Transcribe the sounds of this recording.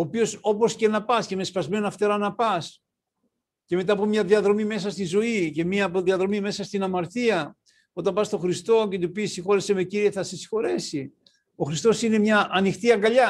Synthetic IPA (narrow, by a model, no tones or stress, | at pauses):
oːpio̞so̞po̞sce̞nɐpɐsce̞me̞spɐzme̞noɐft̪e̞ɾɐnɐpɐs | ce̞me̞t̪ɐːpomɲɐðiɐðɾo̞mime̞sɐst̪izo̞ice̞miɐːpo̞ðiɐðɾo̞mime̞sɐst̪inɐmɐɾt̪iɐ | o̞t̪ɐmbɐst̪o̞xɾist̪o̞ce̞t̪̬upisixo̞ɾese̞me̞ciɾieθɐsesi̥xo̞ɾesi | o̞xɾist̪o̞sine̞mɲɐʔːnixt̪iɐŋɡɐʎɐ